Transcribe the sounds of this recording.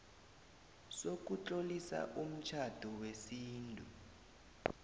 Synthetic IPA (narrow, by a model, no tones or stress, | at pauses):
sok̬ut͡ɬʼolisa̰ʔum̩t͡ʃʰad̥ʱuwesiːntʼu